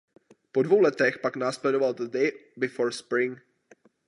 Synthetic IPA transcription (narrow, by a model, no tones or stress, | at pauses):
podvowlɛt̪ɛxpaknaːsplɛdovalt̪ədɛjbɪfoːɾspɾɪŋ